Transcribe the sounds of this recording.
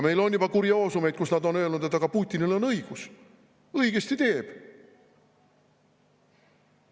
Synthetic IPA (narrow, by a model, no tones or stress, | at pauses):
me̞jlo̞njub̥ɑkuɾjɑoːsume̞t̪̚kusnɑd̪o̞nø̞ːlnud̪e̞t̪ːˑɑɡ̥ɑpuːt̪ʲːˑinilo̞nɤiɡ̥us | ɤiɡ̥e̞st̪it̪e̞ːb̥